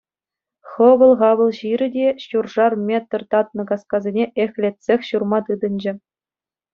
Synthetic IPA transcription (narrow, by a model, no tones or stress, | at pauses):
χɤ̆ʋɤ̆lˠʁɑʋɤ̆lˠʑiɾʲɘ̆dʲeɕurʐɑrmʲet̪rt̪ɑt̪̚nɤ̆kɑskɑzʲenʲeʔexʲlʲet̪ʲsʲexʲɕurmɑt̪ɯd̪ɤ̆nʲd͡ʑɘ̆